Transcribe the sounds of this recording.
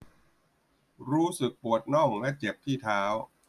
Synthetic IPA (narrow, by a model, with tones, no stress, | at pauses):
ɾuː˦˥sɯ˨˩k̚pu˨˩ət̪̚nɔ˥˩ŋlɛ˦˥t͡ɕe˨˩p̚t̪ʰiː˥˩t̪ʰaː˦˥w